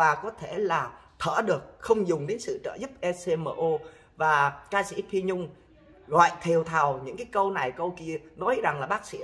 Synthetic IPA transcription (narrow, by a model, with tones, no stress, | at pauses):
vaː˨˩kɔ˨˦t̪ʰe˧˩laː˨˩t̪ʰəː˧˩ɗɨ˨˩ək̚xə˧wŋ͡mzʊ˨˩ŋ͡mɗe˨˦nsɨ̰˧˨t͡ɕə̰ː˧˩zɨ˦˥p̚ʔɛ˧se˧məː˧˨˩ʔo˧ | vaː˨˩kaː˧sḭ˧˥p̪ʰi˧ɲʊ˧ŋ͡m | ɣɔ̰˧˨jt̪ʰi˨˩əwt̪ʰa˨˩wɲɨ̰˧˥ŋkaː˨˦jkə˧wna˨˩jkə˧wki˧ənɔ˨˦jza˨˩ŋlaː˨˩ɓaː˦˥k̚sḭ˧˥